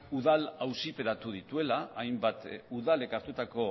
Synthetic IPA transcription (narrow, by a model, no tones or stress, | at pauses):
uðalawsipe̞ɾat̪uð̞it̪ue̞laːjmbat̪uðale̞kaɾt̪ut̪ako̞